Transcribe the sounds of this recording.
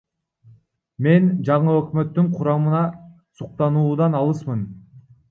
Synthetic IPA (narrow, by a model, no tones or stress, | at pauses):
me̞nd͡ʒɑɴɯøkmø̞t̪ːyɴqʰuɾɑmɯnɑ | suq̚t̪ɑnuːd̪ɑnɑlˠɯsmɯn